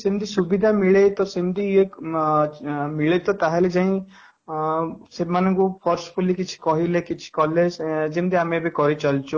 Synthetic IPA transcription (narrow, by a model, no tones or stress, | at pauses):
simd̪isubid̪ʱamiɭet̪ɔsind̪ʱie | miɭet̪ɔt̪aɦeled͡ʒãĩ | semanɔ̃ŋkupʰɔɾspulikit͡ʃʰi̥kɔɦilekit͡ʃʰi̥kɔlesd͡ʒemd̪iamebikɔɾit͡ʃɔlt͡ʃʰu